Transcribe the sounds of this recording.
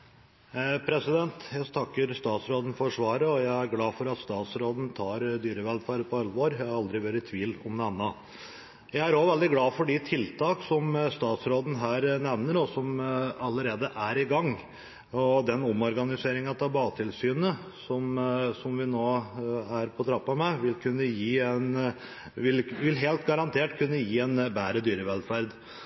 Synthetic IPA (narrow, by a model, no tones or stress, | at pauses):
pʰɾɛsɪd̪ɛnt̪jæt̪ʰɑkːəɾst̪ɑːt̪sɾoːd̪n̩fɔɾʂʋɑːɾəɔjæɪæɾɡlɑːfɔɾɑt̪st̪ɑːt̪sɾoːd̪n̩t̪ʰɑːɾd̪yːɾəʋɛlpʰɑɾpʰɔɑlːʋoːɾjæɪhɑɑld̪ɾɪʋøːɾət̪ʰʋiːlɔmd̪ɛmnɑ | jæɪæɾɔʋɛld̪ɪɡlɑːfɔɖɪt̪ʰɪlt̪ʰɑːksɔmst̪ɑːt̪sɾoːd̪n̩ɦæːɾnɛʋnəɾɔsɔmɑlːəɾeːd̪əʔæɾɪɡɑŋ | ɔd̪ɛnɔmɔɾɡɑnɪseːɾɪŋɑt̪ʰɑːbɑːt̪ʰɪlsyːnə | sɔmsɔmʋɪnoːæɾpʰɔt̪ʰɾɑpːɑmɛʋɪlkʰʉnːəjiːɛn | ʋɪlʋɪlɦeːlt̪ɡɑɾɑnt̪ʰeːʈkʰʉnːəjiːɛnbæːɾəd̪yːɾəʋɛlfæɾd̪